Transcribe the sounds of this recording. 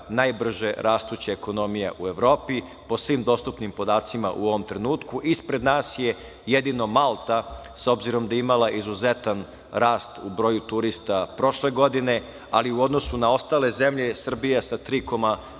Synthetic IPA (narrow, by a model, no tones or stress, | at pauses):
najbr̩ʒeɾʔaːst̪ut͡ɕaeko̞no̞mijaʔue̞ʋɾo̞ːpi | po̞sʋiːmd̪o̞st̪upnimpo̞d̪aːt̪sima̰ʔṵo̞ʋo̞mt̪ɾe̞nuːt̪kuʔispɾe̞d̪naːsje̞ | jed̪ino̞malˠt̪aso̞bziɾo̞md̪aimalˠaʔizuze̞t̪an | ɾaːst̪ubɾo̞ːjut̪uɾist̪apɾo̞ʃle̞ɡo̞d̪ine̞ | a̰liuo̞d̪no̞sunao̞st̪aːle̞ze̞mʎe̞sr̩bijasat̪ɾiko̞ma